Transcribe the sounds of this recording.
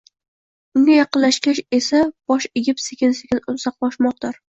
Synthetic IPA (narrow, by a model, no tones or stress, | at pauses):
ʊnʲɪjɑqɨlːaʃkʲaʃe̞sab̥ɒʃeɡʲɪpsekʲʰɪnsekʲɪnʊsɑq̚bɒʃmɒq̚d̪aɾ